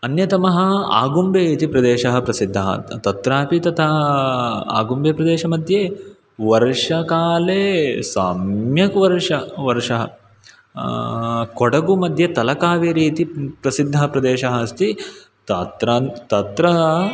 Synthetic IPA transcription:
ɐnjɐt̪ɐmɐɦɐ̆a̰ːɡumbeːt̪ipɾɐd̪eːʃɐɦɐ̆pɾɐsid̪ʱːɐɦɐ̰t̪ɐt̪ɾaːpit̪ɐt̪ʰaːɦ | a̰ːɡumbeːpɾɐd̪eːʃɐmɐd̪ʱje | ʋɐɾʂɐkaːlesaːmjɐkʋɐɾʂɐʋɐɾʂɐɦɐ̰ | kɔɽɐɡumɐd̪ʱjɐt̪ɐlɐkaːʋeːɾiːt̪ipɾɐsid̪ʱːɐɦɐpɾɐd̪eːʃɐɦɐɐst̪i | t̪ɐt̪ɾat̪ɐt̪ɾɐɦɐ

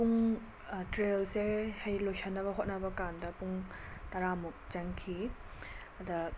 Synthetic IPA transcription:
puŋ | tɾelsehɐjlojsʰɐnːɐβɐɦot̚nɐbɐkandɐpuŋtɐɾamuk̚t͡ʃɐŋkʰi | ɐdɐ

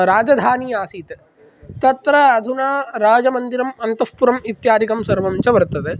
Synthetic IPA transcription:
ɾaːd͡ʒɐd̪ʱaːniːaːsiːt̪e | t̪ɐt̪ɾɐːd̪ʱunaːɾaːd͡ʒɐmɐnd̪iɾɐmɐnt̪ɐspuɾɐmit̪jaːd̪ʱikɐmsɐɾʋɐmt͡ʃɐʋɐɾt̪ɐd̪e

